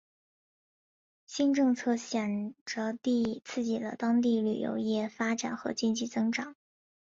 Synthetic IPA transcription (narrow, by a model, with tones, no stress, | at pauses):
ɕi˥nʈ͡ʂɤ˥˧ŋt͡sʰɤ˥˩ɕjɛ˨˩nʈ͡ʂə˧t̪i˥˧t͡sʰɹ̩˥˩t͡ɕi˨˩lə̰˦t̪ɑ˥ŋt̪i˥˩ly̰˨˩jo̰˧˥ʊjɛ˥˩fa˥ʈ͡ʂa̰˨˩nxɤ̰˧˥t͡ɕi˥nt͡ɕi˥˩t͡sɤ˥ŋʈ͡ʂɑ˨˩˦ŋ